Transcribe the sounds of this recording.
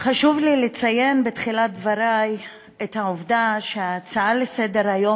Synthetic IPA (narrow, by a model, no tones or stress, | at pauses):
χaʃuvlilet͡saje̞nbetχilat̚dvaɾaj | ethaovdaʃeaːt͡saalesede̞ʁajo̞